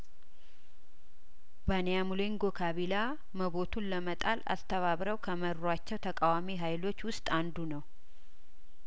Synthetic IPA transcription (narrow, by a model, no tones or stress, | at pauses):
banejamuleŋɡo̞kʰaβila | məβo̞t̪ʰunləmət̪ʼala̰st̪ʰəβaβɾəwkʰəməɾːat͡ʃːɛwt̪ʰəkʼawamiɦajlo̞t͡ʃːwʊst̪ʼand̪unəw